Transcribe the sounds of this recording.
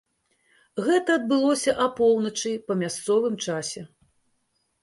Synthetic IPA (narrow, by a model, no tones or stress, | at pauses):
ɣɛt̪ɐːd̪̚bɨlˠɔsʲɐʔɐpɔw̪nɐt͡ʂɨjpɐmʲast̪sɔvɨmt͡ʂasʲɛ